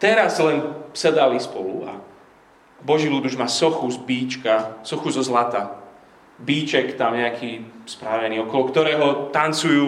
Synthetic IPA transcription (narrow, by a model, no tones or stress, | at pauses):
t̪ɛɾazlɛnsɛd̪alispɔlṵa̰ | bɔʒiːlud̪uʒmaːsɔxuzbiːt͡ʃkasɔxuzɔzlat̪a | biːt͡ʃɛkt̪amɲɛakʰiːspɾaʋɛniːɔkɔlɔkt̪ɔɾɛːɦɔt̪ant͡sujuː